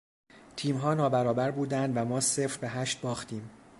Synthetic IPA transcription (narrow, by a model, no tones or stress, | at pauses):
t̪ʰiːmɦɒːnɒːbæɾɒːbæɾbuːd̪ænd̪væmɒːsefɾbæɦæːʃt̪̚bɒːxt̪ʰiːm